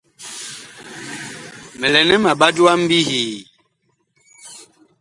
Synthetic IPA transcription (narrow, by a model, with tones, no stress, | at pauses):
mɛ˨lɛ˨nɛ˦ma˨ɓa˦du˦a˦m̩˦bi˦hiː˨